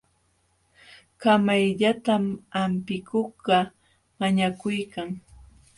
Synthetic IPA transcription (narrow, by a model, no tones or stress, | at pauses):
kamajʎat̪amampɪkʊɢɑ | maɲakʊjkaŋ